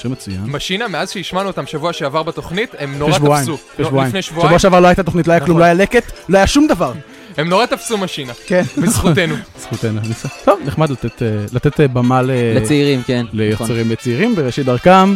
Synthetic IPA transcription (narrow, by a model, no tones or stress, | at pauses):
ʃʁimet͡sujanmaʃinameazʃejiʃmanuot̪amʃavuaʃeavaʁbet̪o̞χnit̪emnoʁeaʃvuaajimufeʃvaimnejʃvuʃavuaʃeavaʁloajt̪at̪oχnit̪̬loajaklumloajaleket̪lohajaʃumd̪avaʁ | emnoʁat̪afsumaʃinakenbesχutenubesχut̪enuniset̪ovneχmad̪lat̪et̪elat̪et̪bamaleleseiʁimkenlejoseʁimlet͡seiʁimbeʁeʃid̪aʁkam